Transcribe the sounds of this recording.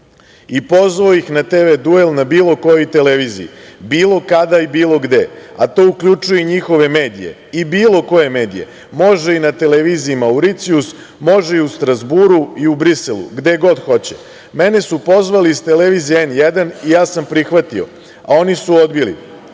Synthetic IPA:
ipo̞zʋaojixnat̪eʋed̪uelnabiːlˠo̞ko̞jojt̪e̞leʋiːzḭibiːlˠo̞kad̪aibiːlo̞ɡd̪e̞at̪o̞ːukʎut͡ʂujeiɲixo̞ʋe̞me̞ːd̪ije̞̰ibiːlˠo̞ko̞je̞me̞ːd̪ḭje̞̰ | mo̞ʒeinat̪e̞leʋiːziimauɾit̪sius | mo̞ʒeiust̪ɾazbuɾuiubɾiselṵɡd̪e̞ɡo̞d̪xo̞t͡ɕe̥ | me̞ne̞supo̞zʋaliːst̪e̞leʋiːzijeenjed̪anijaːsampɾixʋat̪io̰ | a̰o̞nisuo̞d̪bilḭ

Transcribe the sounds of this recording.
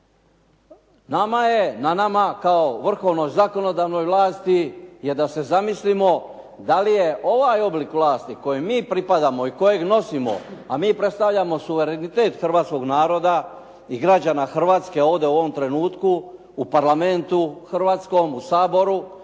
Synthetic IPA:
namaje̞nanamakaoʋr̩xo̞ʋno̞jzako̞no̞d̪aːʋno̞jʋlˠaːst̪ije̞d̪ase̞zamislimo̞ | d̪alije̞ʔo̞ʋajo̞blikʋlˠaːst̪iko̞jemːiːpɾipad̪amo̞iko̞je̞ɡno̞simo̞̰amiːpɾet̪st̪aʋʎamo̞suʋe̞ɾenit̪et̪xr̩ʋaːt̪sko̞ɡnaːɾo̞d̪a | iɡɾad͡ʒanaxr̩ʋaːt̪ske̞o̞ːʋd̪e̞uo̞ʋo̞mt̪ɾe̞nuːt̪kuː | paɾlame̞nt̪uxr̩ʋaːt̪sko̞musaːbo̞ɾu

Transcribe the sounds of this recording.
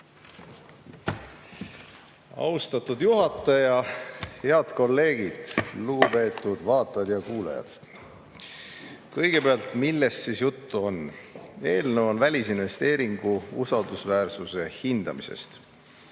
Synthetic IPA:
ɑ̰wst̪ɑt̪ːud̪juɦɑt̪ːˑɑjɑhe̞ɑd̪̥ko̞lːe̞ːɡ̥id̪̥luɡ̥upe̞ːt̪ːˑud̪̥vɑːt̪ːˑɑd̪̥jɑkuːlḛjɑ̰d̪̥ | kɤjɡ̥e̞peɑlt̪milːe̞sːisjut̪ːuo̞ne̞ːlneonvælʲisinve̞st̪e̞ːɾiŋɡ̥uusɑld̪̥usvæːrsuse̞hind̪̥ɑmise̞̰st̪

